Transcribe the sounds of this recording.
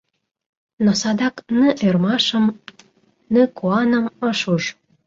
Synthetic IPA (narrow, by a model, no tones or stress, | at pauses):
nosɑd̪ɑknəʔermɑʃə̆m | nəkuɑnə̆mɤʃuʒ